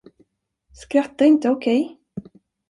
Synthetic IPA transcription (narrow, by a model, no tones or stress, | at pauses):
skɾat̪ːaɪnt̪əɔkʰɛj